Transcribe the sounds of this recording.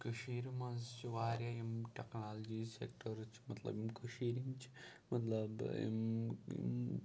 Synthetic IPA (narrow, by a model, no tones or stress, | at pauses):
kɐʃiːɾmɐzt͡ʃʰiʋaːɾjajimʈeknaːld͡ʒisḛk̚ʈɐɾt͡ʃʰi̥mɐt̪lɐ̰bimkɐʃiːɾiŋt͡ʃʰi̥mɐt̪lɐbḭmḭm